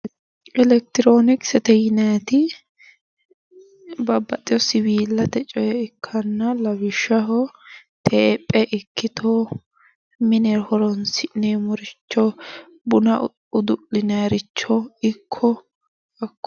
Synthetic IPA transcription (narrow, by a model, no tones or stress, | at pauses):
ɛlɛk̚t̪ɪɾoːnɪksɛt̪ɛjɪnat̪ɪ | bɐbːɐt̪ʼɪjɔsɪbiːlːɐt̪ɛt͡ʃʼɔjɛɪkʰːɐnːɐlɐbɪʃːɐɦɔ | t̪ʰeːpʼːɛʔɪkʰːɪt̪ʰɔ | mɪnɛɾhɔɾɔnsɪnemɔɾɪt͡ʃːɔ | bʊnɐ | ʊd̪ʊɪnaɾɪt͡ʃːɔɪkʰːɔ | ɐkːɔ